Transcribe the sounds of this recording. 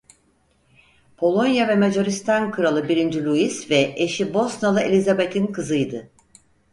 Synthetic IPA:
pʰo̞lˠo̞njavɛmed͡ʒoɾist̪ʰankʰɯɾalˠɯbiɾind͡ʒilʲuisvɛeʃibo̞snalˠɯelʲizabe̞t̪ʰinkʰɯzɯjd̪ɯ

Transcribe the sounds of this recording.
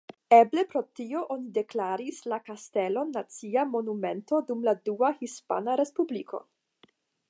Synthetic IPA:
eblepɾo̞tio̞ʔonide̞klaɾislakaste̞lo̞nːat͡siamo̞nume̞nto̞dumladuahispa̰naɾe̞spublikʰo̞̰

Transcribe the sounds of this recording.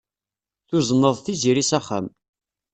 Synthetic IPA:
θuzˤənːəðˤθiziɾisæχːæ̰m

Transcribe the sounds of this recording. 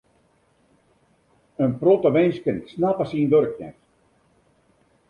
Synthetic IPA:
ənprotəʋɛnskənsnapasiːnʋøɾəknɛ̰x

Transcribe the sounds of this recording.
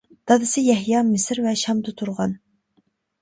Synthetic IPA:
d̪̥ɑd̪ɨsɪjɛhjɑmɪsɾvɛʃɑmd̪ɨt̪ʰuɾʁɑn

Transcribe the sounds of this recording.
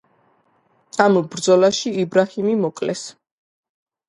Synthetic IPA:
ambɾd̪zɔlaʃiibɾahimimɔkʼlɛs

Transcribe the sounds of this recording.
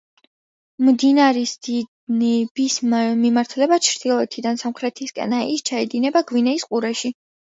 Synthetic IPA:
md̪inaɾisd̪i | nɛbismimaɾt̪ʰlɛbat͡ʃʰɾd̪̥ilˠɔɛt̪ʰid̪ansamχɾɛt̪ʰiskʼɛ̰naist͡ʃʰaɛd̪inɛbaɡwinɛisqʼuɾɛʃi

